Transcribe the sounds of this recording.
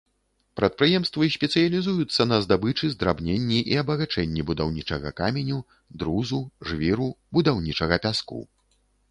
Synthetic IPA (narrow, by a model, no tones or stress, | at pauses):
pɾɐt̪̚pɾɨjɛmst̪vɨsʲpʲɛt̪sɨjɐlʲizujut̪sːɐnɐzd̪abɨt͡ʂɨzd̪ɾabnʲenʲːiʔiɐbɐɣat͡ʂɛnʲːibud̪awnʲit͡ʂɐɣɐ̰kamʲenʲu | d̪ɾuzuʐvʲiɾubud̪awnʲit͡ʂɐɣɐpʲaskṵ